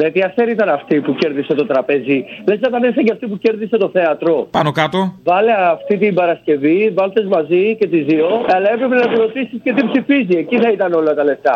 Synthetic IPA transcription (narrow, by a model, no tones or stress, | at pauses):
net̪iɐθeɾiit̪ɐnɐft̪ipuce̞ɾðise̞t̪ot̪ɾɐpezilesɐt̪ɐneθɐɟɐft̪ip̬uce̞ɾðise̞t̪o̞θe̞ɐt̪ɾo̞pɐnokɐt̪ovɐleɐft̪it̪imbɐɾɐsce̞vivɐlt̪e̞zmɐzice̞t̪izioɐlɐe̞pɾe̞penɐpuɾo̞t̪isisce̞t̪ibsifizie̞ciθɐit̪ɐno̞lɐt̪ɐle̞ft̪ɐ